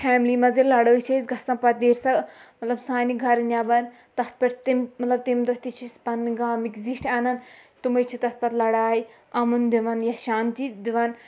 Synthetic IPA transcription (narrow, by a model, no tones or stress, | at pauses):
fʰɛːmliːmɐzilɐɽəːt͡ʃʰezɡɐsɐ̃npɐt̪̚d̪eːɾsɐmɐt̪lɐbsaːniɡʱɐɾnʲaːbɐn | t̪ɐt̪̚ʰpɐʈt̪immɐt̪lɐb̚t̪imd̪oɦt̪it͡ʃʰispɐnɡaːmikziʈʰaːnɐnt̪umɐt͡ʃʰit̪ɐt̪̚pɐt̪lɐɽaːi | ɐmund̪iʋɐnjɐʃaːnt̪id̪iʋɐn